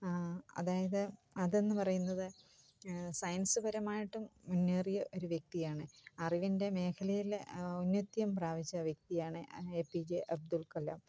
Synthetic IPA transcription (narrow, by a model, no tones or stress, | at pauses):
ɐ̰ðaːjɐðɨ | ɐðe̞nːɨpɐrɐjunːɐðɨ | sɐjɐnsɨbɐɾɐmaːjiʈːumːunːeːrijɐʔo̞ɾuʋjek̚t̪ijaːɳɨɐriʋinde̞me̞ːkʰɐlɐjilonːɐt̪jɐmpraːʋit͡ɕːɐʋjek̚t̪ijaːɳɨeːpːid͡ʑeʔɐb̚d̪ulkɐlɐm